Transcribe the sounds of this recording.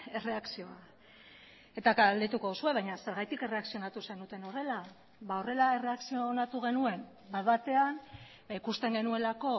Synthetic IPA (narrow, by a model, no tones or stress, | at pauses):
e̞re̞aksio̞a | e̞t̪akald̪et̪uko̞ðusue̞β̞ajɲase̞ɾɣ̞ajt̪ike̞re̞aksio̞nat̪usenut̪e̞no̞re̞la | βao̞re̞lae̞re̞aksio̞onat̪uɣ̞e̞nue̞m | baðβat̪e̞an | ikust̪e̞ŋɡe̞nue̞lako̞